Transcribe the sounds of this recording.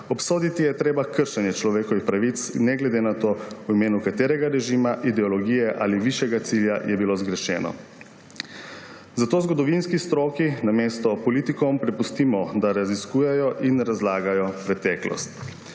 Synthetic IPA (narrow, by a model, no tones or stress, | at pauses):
ɔpsoːd̪it̪ijɛt̪ɾeːbakəɾʃɛnjɛt͡ʃlɔʋeːkɔʋixpɾaʋit̪snɛɡlɛd̪enat̪oːwimeːnukat̪eːɾɛɡaɾɛʒimaʔid̪ɛɔlɔɡijɛʔa̰ːliʋiʃjɛɡat̪siljajʔɛbilozɡɾɛʃɛ̰ːnɔ̰ | zat̪oːzɡɔd̪ɔʋinskist̪ɾoːkinameːst̪ɔpɔliːt̪ikɔmpɾɛpust̪iːmɔd̪aɾaziskuːjɛjɔʔinɾazlaːɡajɔpɾɛt̪ɛklɔ̰st̪